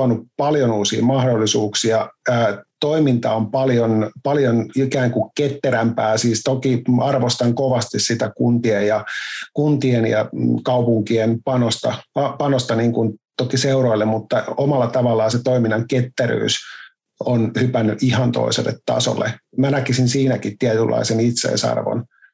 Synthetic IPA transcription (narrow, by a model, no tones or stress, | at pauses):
ɑnːuppɑljonuːsḭːmɑhdolːisuːksiɑː | t̪oimint̪ɑompɑljonpɑljonikæːŋkukket̪ːeɾæmpæːsiːst̪okiɑrʋost̪ɑŋkoʋɑst̪issit̪ækunt̪iejjɑkunt̪ienjɑ̰kɑupuŋkienpɑnost̪ɑɑpɑnost̪ɑniːŋkunt̪okiseuɾoilːemmut̪ːɑomɑlːɑt̪ɑʋɑlːɑːset̪oiminːɑŋket̪ːeɾy̰ːs | onhypænːyʔihɑnt̪o̰isḛlːḛt̪ːɑ̰so̰lːḛmænækisinsiːnækit̪t̪iæt̪ylːʔɑ̰isenit̪sḛisɑ̰rʋo̰n